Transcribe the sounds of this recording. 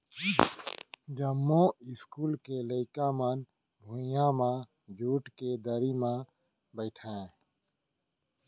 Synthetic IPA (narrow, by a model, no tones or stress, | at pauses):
d͡ʒəmːõɪskuːlkeləɪkamən | bʱũjãmã | d͡ʒʱuːʈked̪əɾimã | bəɪʈʰɛ̃ː